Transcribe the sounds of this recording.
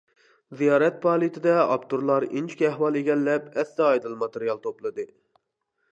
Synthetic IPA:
zijɑːɾɛt̪̚pʰɑːlˠit̪ʰɪd̪ɛɑ̰pt̪uɾlˠɑɾint͡ʃʰi̥kʲɛhwɑlˠeɡʲɛlːɛpɛsːɛɑjd̪ɨlˠmɑt̪eɾijɑlˠt̪ʰoplˠɨd̪ɨ

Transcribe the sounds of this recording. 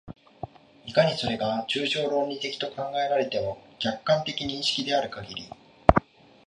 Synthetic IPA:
ikaɲ̟iso̞ɾe̞ɡat͡ɕɨːʑo̞ːɾo̞ːɲʲːit̪e̞kʲi̥t̪o̞kãŋɡae̞ɾaɾe̞t̪e̞mo̞ɡ̥ʲakːãnt̪e̞kʲiɲ̟ĩɰ̃ɕi̥kʲid̪e̞aɾɯ̟kaɡʲiɾʲḭ

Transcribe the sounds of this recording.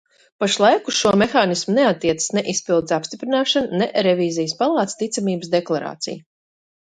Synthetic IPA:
paʃlˠajkusʃuɔmɛxaːnismuneat̪ːiɛt̪sə̥snɛʔispilˠd̪zʲapst̪ipɾinaːʃannɛʔɾɛviːzijəspalˠɑːt̪st̪it̪samiːbsd̪ɛklˠaɾa̰ːt̪sḭj

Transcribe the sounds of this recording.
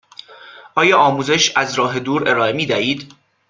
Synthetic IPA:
ʔɒːjɒːɒːmuːze̞ʃæzɾɒːɦe̞d̪uːɾe̞ɾɒːe̞miːd̪æiːd̪

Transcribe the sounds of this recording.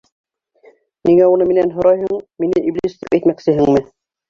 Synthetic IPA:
niŋæunɤminænɦŏɾɑjɦoɴminɘʔiblʲist̪ikæjt̪mæksɘɦɘŋmɘ

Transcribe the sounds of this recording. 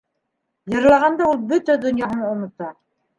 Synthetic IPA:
jɤ̆ɾlˠɑʁɑnd̪ɑulˠbɵt̪æd̪ŏnjɑɦɤɴŏnŏt̪ɑ

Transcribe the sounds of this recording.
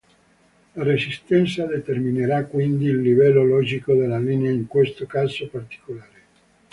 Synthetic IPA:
laɾesist̪ɛnt̪sad̪et̪ermineɾakːwind̪iːlːivɛlːolɔːd͡ʒikod̪elːaliːneaiŋkwest̪okazopart̪i̥kolaːɾe

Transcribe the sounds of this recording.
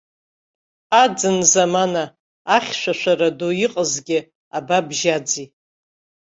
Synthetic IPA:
ad͡zɨnzamanaː | χʲʃʷaʃʷaɾadoiqʼəzɡʲɪ | ababʒad͡zi

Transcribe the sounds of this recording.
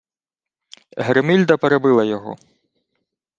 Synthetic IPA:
ɦɾemilʲd̪ɐpeɾebɪlˠɐjɔɦɔ̰

